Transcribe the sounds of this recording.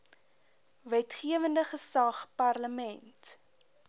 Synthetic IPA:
vɛtχiəvəndəχəsɐχpɐrləmɛnt

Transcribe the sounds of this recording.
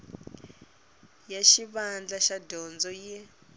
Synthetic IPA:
jaʃiβand͡ɮaʃadɔnd͡zɔjɛ

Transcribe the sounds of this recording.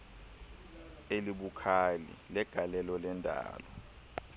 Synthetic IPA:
eliɓukʰalḭlɛɡ̥ʱalɛlɔlɛndʼʱa̰ːlɔ

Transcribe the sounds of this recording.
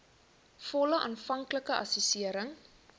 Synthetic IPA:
fɔləʔɑ̰ːnfɐŋkləkəʔɐ̰sysiəɾəŋ

